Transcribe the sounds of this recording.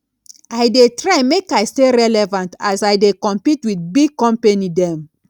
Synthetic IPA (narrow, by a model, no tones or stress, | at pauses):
ajdetɹajmekajsteɹɛlɛvãntasajdekɔ̃mpitwiθbiɡ̚kɔ̃mpenidɛ̃m